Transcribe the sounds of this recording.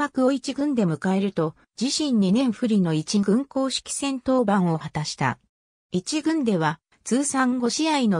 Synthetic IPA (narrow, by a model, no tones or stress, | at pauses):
akɯ̟o̞it͡ɕiɡɯ̟̃nd̪e̞mɯ̟kae̞ɾɯ̟t̪o̞ | d͡ʑiɕĩɲ̟ːinẽ̞ɰ̃ɸɯ̟ɾʲino̞it͡ɕiɡɯ̟̃ŋko̞ːɕi̥kʲi̥sẽ̞nt̪o̞ːbãɰ̃o̞hat̪aɕi̥t̪a̰ | it͡ɕiɡɯ̟̃nd̪e̞β̞a | t͡sɨːsãŋɡo̞ɕiaino̞